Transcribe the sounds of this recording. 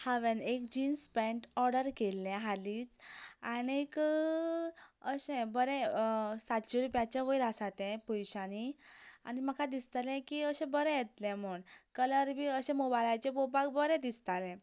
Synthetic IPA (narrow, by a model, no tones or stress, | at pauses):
haʋenekd͡ʑinspɛ̃ɳʈɔɾɽəɾkelːɛ̃ɦalit͡saɽik | əɕẽbəɾɛ̃sat̪t͡ɕuɾupjat͡ɕaʋəiɾasat̪ɛ̃pujɕaniaɽ̃iməkʰad̪ist̪alɛ̃kiəɕɛ̃bəɾɛ̃jet̪lɛ̃m̤uɳkələɾbʱiːəɕɛ̃mobajlajt͡ɕebopakbəɾɛ̃d̪ist̪alɛ̃